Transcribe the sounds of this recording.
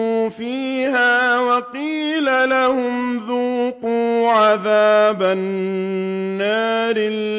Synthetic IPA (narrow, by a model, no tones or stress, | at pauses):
uːfiːɦaːwɑqiːlalahʊmðuːquːʕaðaːbanː | aːɾɪlː